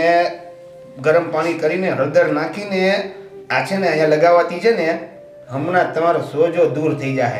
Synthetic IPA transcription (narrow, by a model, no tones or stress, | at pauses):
e | ɡəɾəmpaːɽ̃ikəɾineɦəd̪əɾnakʰine | at͡ʃʰeneəɦjãləɡaʋat̪it͡ʃʰene | ɦəmnat̪əmaɾosod͡ʒod̪uɾt̪ʰəid͡ʒaɦḛ